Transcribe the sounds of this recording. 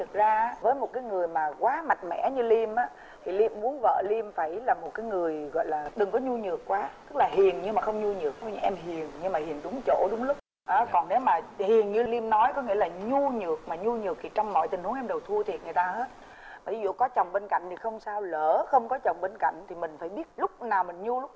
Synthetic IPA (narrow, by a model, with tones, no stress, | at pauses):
t̪ʰɨ˨˩k̚zaː˧vəː˨˦jmo˨˩t̚kaː˨˦jŋɨ˨˩əjmaː˨˩kwaː˨˦ma˨˩jt̚mɛ̰˧˩˥ɲɨ˧li˧mʔaː˨˦ | t̪ʰi˨˩li˧əmːu˨˦ənvə̰ː˧˨li˧mfaː˧˩jlaː˨˩mo˨˩kaː˨˦jŋɨ˨˩əjɣɔ̰˧˨jlaː˨˩ɗɨ˨˩ŋkɔ˨˦ɲu˧ɲɨ˨˩əkːwaː˨˦t̪ɨ˦˥k̚laː˨˩ɦi˨˩ənɲɨ˧maː˨˩xə˧wŋ͡mɲu˧ɲɨ˨˩ək̚ɲ˧ʔɛ˧mɦi˨˩ənɲɨ˧maː˨˩hi˨˩ənɗʊ˨˦ŋ͡mt͡ɕo̰˧˥ɗʊ˨˦ŋ͡mlʊ˦˥k͡p̚ | ʔaː˨˦kɔ˨˩nne˨˦wmaː˨˩hi˨˩ənɲɨ˧li˧mnɔ˨˦jkɔ˨˦ŋḭ˧˥əlaː˨˩ɲu˧ɲɨ˨˩ək̚maː˨˩ɲu˧ɲɨ˨˩ək̚t̪ʰi˨˩t͡ɕɔ˧wŋ͡mmɔ̰˧˨jt̪ï˨˩ŋ̟hu˨˦ŋɛ˧mɗə˨˩wt̪ʰu˧ət̪ʰi˨˩ət̚ŋ˨˩t̪aː˧he˦˥t̚ | maː˨˩i˨˦zṵ˧˨kɔ˨˦t͡ɕə˨˩wŋ͡mɓe˧nka̰˧˨jŋ̟t̪i˨˩xə˧wŋ͡msaː˧wləː˧˩xə˧wŋ͡mkɔ˨˦t͡ɕə˨˩wŋ͡mɓe˧nka̰˧˨jŋ̟t̪ʰi˨˩mï˨˩ŋ̟faː˧˩jɓi˦˥ət̚lʊ˦˥k͡p̚naː˨˩wmï˨˩ŋ̟ɲu˧lʊ˦˥k͡p̚